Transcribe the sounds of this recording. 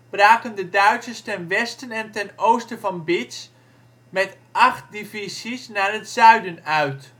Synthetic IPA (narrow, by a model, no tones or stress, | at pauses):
b̥raːkəndədœɥtsəstɛnʋɛstənɛntɛnowstəvɑnbɪts | mɛt | ʔɑχt̚divisisnaːɹɦətsœɥdənœɥt